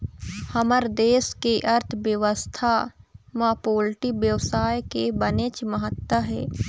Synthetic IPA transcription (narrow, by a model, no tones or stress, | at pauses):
həməɾd̪eːskeʔɐɾt̪ʰʋjəʋəst̪ʰamaːpoːlʈibjəʋsaːjkebəneːt͡ʃməɦət̪wəɦɛ̰ː